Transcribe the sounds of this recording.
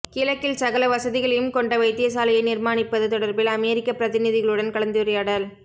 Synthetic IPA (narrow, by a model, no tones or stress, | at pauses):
kɪlɐkːɪlsɐɣɐlɐʋɐsɐðɪɣɐɭɐjɯmkɔɳɖɐʋɐɪt̪ːɪjɐs̬aːlɐjɐɪnɪɾmaːnɪpːɐðɯt̪ɔɽɐɾbɪlɐmeːɾɪkːɐpɾɐðɪnɪðɪɣɐɭɯɽɐnkɐɭɐnd̪ɯɾɪjɐɽɐl